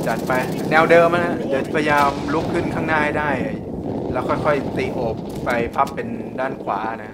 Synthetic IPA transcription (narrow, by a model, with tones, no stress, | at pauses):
t͡ɕa˨˩t̪̚pa˧j | nɛː˧wdɤː˧mʔa˧˩na˦˥di˨˦t͡ɕa˨˩pʰa˧ja˧jaː˧mlu˦˥kʰːɯ˥˩nkʰaː˥˩ŋnaː˥˩jdaː˥˩ja˨˩lɛː˦˥wkʰɔ˥˩jkʰɔ˥˩jt̪iː˨˩ʔoː˨˩p̚ːa˧jpʰa˦˥˩pːe˧ndaː˥˩nkʰwaː˩˦˨na˦˥